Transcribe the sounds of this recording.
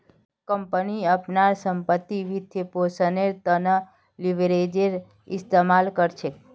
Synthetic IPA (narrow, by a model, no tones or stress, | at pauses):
kəmpəniəpnaɾsəmpət̪ːiʋit̪ʰeposəneɾt̪ənə | liʋɾed͡ʒeɾ | ɪst̪emalkəɾt͡ʃʰe